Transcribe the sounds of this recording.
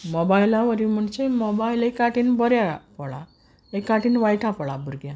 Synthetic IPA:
mɔbajlãʋəɾim̤əɳsemobajlekaʈiːnbɔɾjapɔɭa̰ | ekːaʈiːnʋajʈʰapɔɭabuɾɡjã

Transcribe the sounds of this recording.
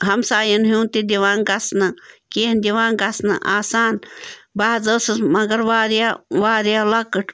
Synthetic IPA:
ɦɐmsaːjɐnɦjuːnt̪id̪iʋaːnɡɐsnɨkind̪ʲiʋaːnɡɐsnɨ̰ʔaːsaːnbaːzəsɨsmɐɡɐɾʋaːɾjaʋaːɾijalɐkəʈʰ

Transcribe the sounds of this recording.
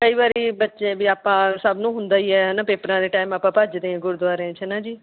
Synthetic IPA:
kəiːbaːɾiːbətːʃẽːbiːaːpãːsəbnũːɦʊnd̪aːiːɛːɦɛnapeːpəɾãːd̪eːʈaːɪmaːpãːpad͡ʒd̪ẽːãːɡʊɾd̪ʋaːɾeãːt͡ʃʰənãːd͡ʒiː

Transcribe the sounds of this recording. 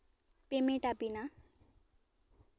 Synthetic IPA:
pemeʈapina

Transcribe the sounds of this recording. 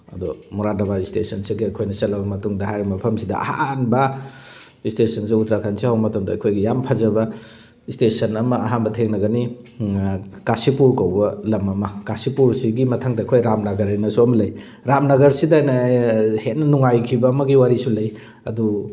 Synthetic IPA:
ɐ̰dɔmuɾadɐbaistesɐnsiɡiɐkʰojnɐsɐtlɐbɐmɐtuŋdɐɦajɾimɐpʰɐmsidɐ̰ɐ̰hanbɐ | istesɐnsiutɾakʰansihawmɐtɐmdɐkʰojɡijampʰɐzɐbɐ | istesɐnɐmɐːɦanbɐtʰeŋnɐɡɐni | kasipuɾkawbɐlɐmɐmɐkasipuɾsiɡimɐtʰaŋdɐːkʰojɾamnɐɡɐɾajnɐsuɐmɐlɐj | ɾamnɐɡɐɾsidajnɐhetnɐnuŋajkʰibɐːmɐɡiwaɾisulɐj | ɐ̰du

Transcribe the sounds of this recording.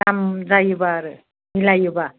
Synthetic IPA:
amzajɯbaːɾɯ | ilajɯba

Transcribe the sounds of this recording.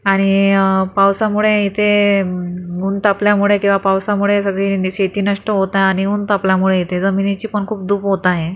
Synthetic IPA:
aɽ̃ipawsamuɭeit̪ʰe | uːnt̪apljamuɭekĩw̃ʋapawsamuɭesəɡɭiːɕet̪iːnəʂʈəɦot̪ajeaɽ̃iuːnt̪apljamuɭeit̪ʰed͡zəminit͡ɕiːpəɳkʰuːp̚d̪uːpɦot̪aɦẽ

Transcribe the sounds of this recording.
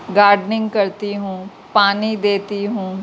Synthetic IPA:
ɡaːɾɖnɪ̃ŋɡkəɾt̪iːɦũː | paːnid̪eːt̪iːɦũː

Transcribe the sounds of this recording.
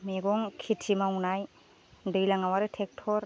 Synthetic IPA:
meɡɔŋkʰitʰimaunaj | dɯjlaŋawaɾɯtʰek̚tʰɔɾ

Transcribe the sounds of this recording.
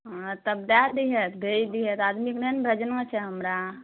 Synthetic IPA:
t̪ɐbd̪ad̪iɦet̪bʱeid̪iɦet̪aːd̪miknenbʱɾɐd͡ʒənʋãt͡ʃʰeɦɐmɾa

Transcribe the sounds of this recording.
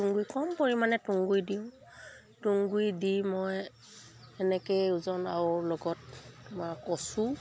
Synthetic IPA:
uŋɡujkɔmpoɹimanɛtuŋɡujdiʊ̃ | tuŋɡujdimɔj | ɛnɛkejuzɔnawɔɹlɔɡɔtːʊmakɔsu

